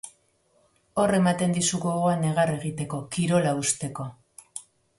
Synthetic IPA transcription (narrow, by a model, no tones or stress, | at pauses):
o̞re̞mat̪e̞nd̪isuɣoɣoane̞ɣ̞are̞ɣ̞it̪e̞ko̞kiɾo̞laust̪e̞ko̞